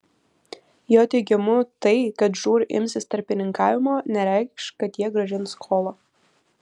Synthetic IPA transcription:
joːt̪ʲɛɪɡʲɛmʊt̪ɐɪkɐt̪ʒuːɾʲʔɪ̰mʲsʲɪst̪ɐɾʲpʲɪnʲɪŋkɑːʋʲɪmoːnʲɛɾʲɛˑɪkʃkɐt̪jiɛɡɾɐʒʲɪnskʰoːlˠoː

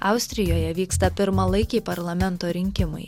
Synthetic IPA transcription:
ɐʊsʲt̪ʲɾʲɪjoːjɛʋʲiːkst̪ɐpʲɪɾmɐlˠɐɪkʲɛɪpɐɾlˠɐmʲɛnt̪oːɾʲɪŋʲkʲɪmɐ̰ɪ

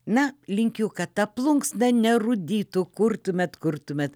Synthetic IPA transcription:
nɐlʲɪŋʲkʲʊkɐt̪ɐplˠʊŋksnʲɐnʲɛrʊd̪ʲiːt̪ʊkʊrt̪ʊmʲɛt̪kʊrt̪ʊmʲɛt̪

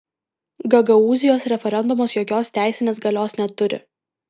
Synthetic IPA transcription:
ɡɐɡɐuːzʲɪjoːsɾʲɛfʲɛɾʲɛnd̪ʊmoːsjoːkʲoːst̪ʲæˑɪsʲɪnʲeːsɡɐlʲoːsnʲɛt̪ʊɾʲɪ̰

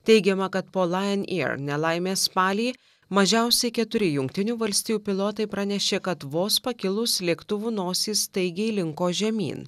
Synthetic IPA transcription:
t̪ʲɛɪɡʲɛmɐkɐt̪poːlˠɑjɛnḭɾnʲɛlˠɐɪmʲeːspɑːlʲiː | mɐʒʲæˑʊsʲɛɪkʲɛt̪ʊɾʲɪjʊŋkt̪ʲɪnʲuːʋɐlʲsʲt̪ʲijuːpʲɪlˠoːt̪ɐɪpɾɐnʲɛʃʲeːkɐt̪ʋoːspɐkʲɪlˠʊslʲiɛkt̪ʊʋuːnoːsʲiːst̪ɐɪɡʲɛlʲɪŋkoːʒʲɛmʲḭːn

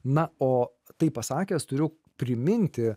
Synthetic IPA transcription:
nɐoː | t̪ɐɪppɐsɑːkʲɛːst̪ʊɾʲʊ | pʲɾʲɪmʲɪnʲt̪ʲɪ

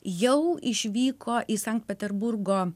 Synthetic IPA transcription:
jɛʊɪʃʲʋʲiːkʰoːʔɪsɐŋkt̪̚pʲɛt̪ʲɛɾbʊɾɡoː

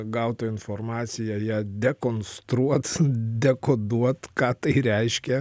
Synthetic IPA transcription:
ɡɐʊt̪oɪnformɑːt̪sʲɪjɛːjɛd̪ʲɛkoːnst̪ɾuɔt̪d̪ʲɛkoːd̪uɔt̪kɑːt̪ɐɪɾʲɛɪʃʲkʲɛ

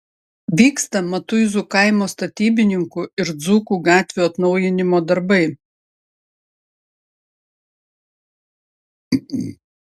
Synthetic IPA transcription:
ʋʲiːkst̪ɐmɐt̪ʊɪzuˑkɐɪmoːst̪ɐt̪ʲiːbʲɪnʲɪŋkʊɪɾd̪zuːkuːɡɑːt̪ʲʋʲuːɐt̪nɒʊjɪnʲɪmoːd̪ɐɾbɐɪ

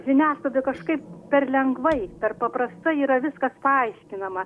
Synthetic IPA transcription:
ʒʲɪnʲæːslˠɐd̪ʲɪkɐʃkɐɪppʲɛrlʲɛŋɡʋɐɪpʲɛrpɐpɾɐst̪ɐiːɾɐʋʲɪskɐspɐɐɪʃʲkʲɪnɐmɐ

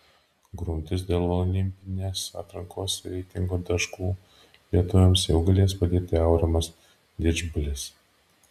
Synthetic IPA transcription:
ɡɾʊmʲt̪ʲɪs̬d̪ʲeːlˠɔlʲɪmʲpʲɪnʲeːsɑ̰ːt̪ɾɐŋkʰoːsɾʲɛɪt̪ʲɪŋɡoːd̪ɐʃkuː | lʲiɛt̪ʊʋʲɛmsjɛʊɡɐlʲeɛspɐd̪ʲeːt̪ʲɪɐʊɾʲɛmɐs | d̪ʲɪd͡ʒbʊlʲɪs

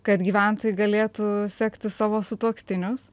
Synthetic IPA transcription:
kɐt̪ɡʲiːʋʲæˑnt̪oːjʊɡɐlʲeːt̪usʲɛːkt̪ʲɪsɑːʋoːsʊt̪uɔkʲt̪ʲɪnʲʊs

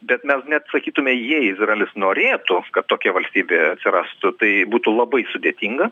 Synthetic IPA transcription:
bʲɛt̪mʲɛsnʲɛt̪sɐkʲiːt̪ʊmʲɛjiɛɪzrɐelʲɪsnoːɾʲeːt̪ʊkɐt̪ːoːkʲɛʋɐlʲsʲt̪ʲiːbʲeːɐt̪ʲsʲɪɾɑst̪ʊt̪ɐɪbuːt̪ʊlˠɐbɐɪsʊd̪ʲeːt̪ʲiŋɡɐ

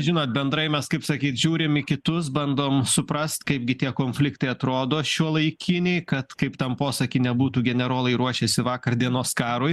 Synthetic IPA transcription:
ʒʲɪnoːt̪̚bʲɛnd̪ɾɐɪmʲɛskɐɪpsɐkʲiːt̪ʒʲuːɾʲɪmɪkʲɪt̪ʊs̬bɐnd̪oːmsʊpɾɐst̪kɐɪp̚ɡʲɪt̪ʲiɛkoːnʲfʲlʲɪkt̪ɐɪɐt̪ɾoːd̪oːʃʲuɔlˠɐɪkʲɪnʲeɪkɐt̪kɐɪpt̪ɐmpoːsɐkʲɪnʲɛbuːt̪uːɡʲɛnʲɛɾoːlˠɐɪɾuɔʃʲɛːsʲɪʋɑːkɐrd̪ʲiɛnoːskɑːɾoːj

